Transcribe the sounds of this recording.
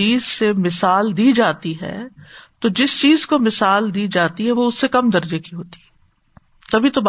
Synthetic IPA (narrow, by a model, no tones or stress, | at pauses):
iːzsemɪsaːld̪iːd͡ʒaːt̪iɦɛ̰ːt̪od͡ʒɪst͡ʃiːzkomɪsaːld̪iːd͡ʒaːt̪iɦɛʋoʊsːekɐmd̪ɐɾd͡ʒekiɦoːt̪i̥ɦɛ | t̪ɐbʱit̪ob